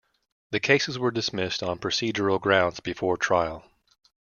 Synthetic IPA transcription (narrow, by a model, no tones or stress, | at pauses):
ðɨkʰeɪsɨzwə˞dɨsmɪstn̩pʰɹ̥ɨsid͡ʒə˞l̩ˠɡɹãʊ̃ndz̥bɨfɔɹtʰɹ̥aɪl̩ˠ